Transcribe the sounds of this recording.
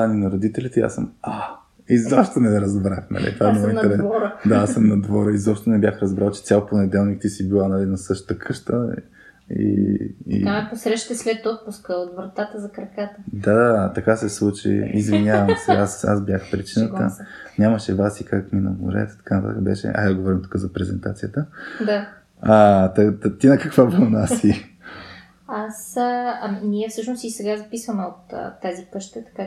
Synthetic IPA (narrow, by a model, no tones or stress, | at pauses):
aninɐɾod̪it̪ɛlit̪ɛia̰səma | izopʃt̪onɛɾɐzbɾaxnɐ̰lʔḭt̪vaɛmmɔinɾɛvɔɾd̪aasəmnɐd̪vɔɾəizɔpʃtt̪onɛbʲjaxɾɐzbɾalˠt͡ʃɛ̥t̪sʲjalˠponɛd̪ɛlˠnik̚t̪isibilˠanalinɐsɤʃt̪ə̥t̪əkʰɤʃt̪ə | ḭ | amɛposɾɛʃt̪ɛslɛt̪ɔt̪̚puskəot̪vɾɐt̪at̪əzɐkɾɐkat̪əd̪ad̪at̪ɐkasɛslˠut͡ʃḭizvinʲavɐmsɛasa̰zbjaxpɾit͡ʃinət̪ə̰ɲʲaməʃɛvasikakminɐ̰mṵɾɛ̰t̪t̪ɐ̥kanɐt̪at̪əkəbɛ̰ʃɛ̰ʔa̰d̪ɡovɔɾimt̪u̥kəzɐpɾɛzɛnt̪a̰t̪sijət̪əd̪a | at̪ɐt̪t̪inɐkɐkvabənasi | asɐminiɛfsɤʃnost̪isɛɡazɐpisvəmɛot̪t̪ːazikɤʃt̪ət̪ɐ̥ka